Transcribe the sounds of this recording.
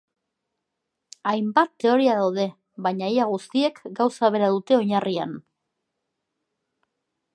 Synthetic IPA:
ajmbat̪ːe̞o̞ɾiaðawðe̞ | βaɲaiaɣust̪ie̞kɡawsaβ̞e̞ɾaðut̪e̞o̞ɲaria̰n

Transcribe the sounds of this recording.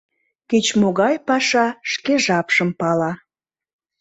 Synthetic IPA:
ket͡ɕmoɣɑjpɑʃɑʃkeʒɑpʃəmpɑlɑ

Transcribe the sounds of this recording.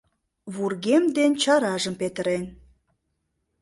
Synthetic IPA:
βurɣemd̪ent͡ɕɑɾɑʒəmpet̪ə̆ɾen

